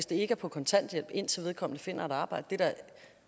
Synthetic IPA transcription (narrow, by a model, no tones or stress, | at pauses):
esd̥e̝e̝ɡ̥əæɐpʰɒ̽kʰɒ̽nt͡sʰæn̰d̥jel̰b̥e̝n̰t͡sʰe̝lʋeðˠkʰɒ̽mən̩əfe̝n̰ɐed̥ɑ̈ːb̥ɑ̈ɪ̰d̥əd̥e̝ɾ̥ɑ̈